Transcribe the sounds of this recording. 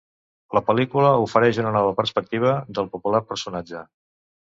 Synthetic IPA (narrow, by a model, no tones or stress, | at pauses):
ləpəlikuləufəɾɛʒunənɔβ̞əpərspək̚t̪iβ̞əd̪əlˠpupulaɾpəɾsunad͡ʒə